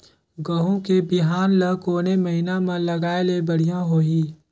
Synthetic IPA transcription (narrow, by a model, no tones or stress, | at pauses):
ɡɐɦõkebɪɦaːnlɐkoːnemɐɦinamãlɐɡaːelebɐɽ̤ijãɦoːiː